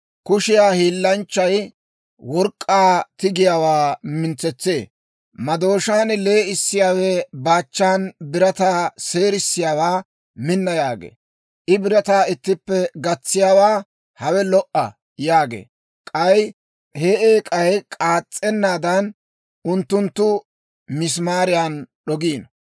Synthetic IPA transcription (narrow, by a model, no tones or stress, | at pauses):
kʊʃɪjaːhiːlːɐnt͡ʃːɐj | wɔɾkʼːaːt̪ɪɡɪjaːwaːmɪnt͡sːɛt͡sːeː | mɐd̪o̞ːʃaːnle̞ːɪsːɪjaːwɛbaːt͡ʃːaːnbɪɾɐt̪aːse̞ːɾɪsːɪjaːwaː | mɪnːɐjaːɡḛː | ʔɪbɪɾɐt̪aːɪt̪ːɪpːɛɡɐt͡sːɪjaːwaː | hɐwɛlɔʔɐ | jaːɡḛː | kʼɐj | heːʔeːkʼɐjɛkʼaːt͡sʼːɛnːaːd̪ɐn | ʔʊnt̪ːʊnt̪ːʊ | mɪs̬maːɾɪjaːnɗɔɡiːn